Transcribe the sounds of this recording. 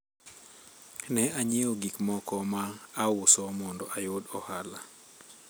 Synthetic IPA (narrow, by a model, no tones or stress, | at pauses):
nɛaɲeoɡikmɔkɔmaːwʊsɔmɔndɔʔajodɔhala̰